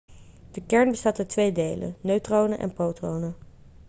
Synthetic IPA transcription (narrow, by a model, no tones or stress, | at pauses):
d̥əkɛɹnbəstaːtatʋejdejlə̰nøɥtrownəʔɛ̰npowtrownə